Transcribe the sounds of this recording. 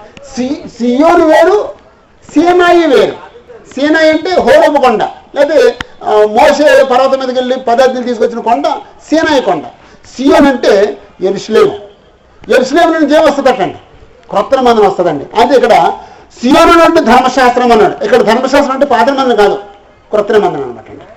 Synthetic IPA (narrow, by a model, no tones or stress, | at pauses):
sisijoːniʋoːɾu | siːnaːjiʋeːɾṵsiːnaːjɐɳʈe̞ːɦoːɾoːbɐkɔɳɖɐ̰lɛːt̪̬emoːʃeːlpɐɾaːt̪ɐmiːd̪ɐkeɭːipɐd̪aːɾt̪ilt̪̬iːs̬ukʋot͡ʃːinɐkɔɳɖɐ | siːnaːjikɔɳɖɐ̰ | siːjoːnɐɳʈe̞ːjeɾusɐleːmu | jeɾusɐleːmɐnɐnuɲt͡ʃeːʋɐst̪ut̪ːɐʈːɐɳɖi | kɾot̪ːɐɾemɐnd̪ɐnɐʋɐst̪ɐd̪ɐɳɖḭɐnt̪eikːɐɽɐ | sijoːnɐnoːɳɖed̪ʱɐɾmɐʃaːst̪ɾɐmɐnːaːɽuʔikːɐɽɐd̪ʱɐɾmɐʃaːst̪ɾɐmɐɳʈepaːt̪ɐnɐmɐnɐnɐkaːd̪u | kɾɐt̪ːɐɾemɐnd̪ɐnɐɐ̰nɐma̰ːʈːɐɳɖi